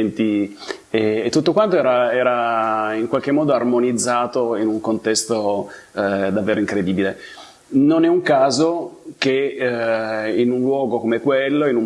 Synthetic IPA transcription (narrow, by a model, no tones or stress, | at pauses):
nt̪i | eːt̪ːut̪ːokwant̪oɛːɾaɛːɾaiŋkwalk̟emːɔːd̪oarmonid̪zːaːt̪oinuŋkont̪ɛst̪o | d̪avːeːɾoiŋkɾed̪iːbile | nonɛuŋkaːzok̟e | inunlwɔːɡokomekwelːoinu